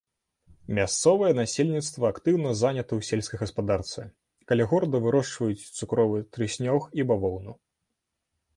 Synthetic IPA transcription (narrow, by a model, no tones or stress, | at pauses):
mʲast̪sɔvɐjɛnasʲelʲnʲit̪st̪vɐːkt̪ɨwnɐzanʲɐt̪ɐwsʲelʲsʲkɐjɣɐspad̪art̪sɨ | kalʲɛɣɔɾɐd̪ɐvɨɾɔʂt͡ʂvɐjut͡sʲt̪sukɾɔvɨt̪ɾɨsʲnʲɔxibavɔwnu